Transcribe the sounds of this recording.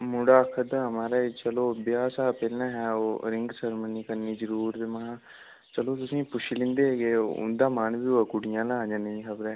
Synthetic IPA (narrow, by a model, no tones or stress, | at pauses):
mʊɽaːəkʰːəd̪aːɦəmaːɾaːt͡ʃəloːbɪjaːsaːpɛlnãːɦɛːoːɾɪ̃ŋɡsəɾmənːiːkənːiːd͡ʒəɾuːɾt̪eːmãã | t͡ʃəloːt̪ʊsĩːpʊʃlɪ̃ːnd̪eːɦeːɡeːoʊ̰nd̪aːmaːnbiːoakʊɽɪjãːlãːd͡ʒaːnəĩkʰəbɾɛː